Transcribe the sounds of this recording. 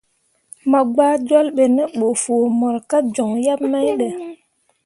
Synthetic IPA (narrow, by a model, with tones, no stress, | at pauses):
ma˨ɡ͡baː˦d͡ʒɔ˦lɓe˨nɛ˦ɓo˨foː˨mɔ˨ɾka˦d͡ʒɔ˨ŋja˦pma˦jɗe˨